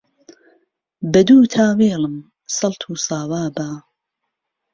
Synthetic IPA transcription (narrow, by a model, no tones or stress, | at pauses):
bɐd̪uːt̪ʰaːweːlɨm | sɐlˠt̪ʰuːsaːwaːbaː